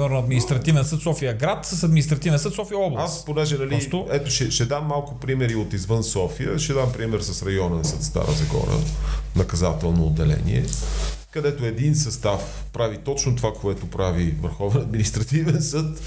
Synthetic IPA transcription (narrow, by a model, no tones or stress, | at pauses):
mɛɾnoɐd̪minist̪ɾɐt̪ivɛnsɤt̪sɔfijəɡɾat̪səsɐd̪mʲinist̪ɾɐt̪ivɛnsət̪sɔfijəɔblˠasponɛʒɛnɐlit̪oɛt̪oʃɛʃɛd̪amːalˠkʊpɾimɛɾiot̪izvɤnsɔfijə̰ʃɛd̪ampɾimɛɾsɐsɾɐjɔnənsət̪st̪a̰ɾəzɐɡɔ̰ɾə̰nɐkɐzat̪ɛlˠnoːd̪ːɛlɛ̰nḭɛ̰kɐd̪ɛt̪oɛd̪insɐst̪af | pɾavit̪ɔt͡ʃnot̪ovakoɛt̪opɾavivə̰ɾxɔvɛnɐd̪minist̪ɾɐt̪ivɛnsɤt̪